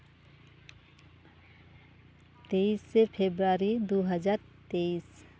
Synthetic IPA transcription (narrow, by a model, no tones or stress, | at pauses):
t̪eisːepʰebɾaːɾid̪oɦəd͡ʒaːɾ | t̪eːis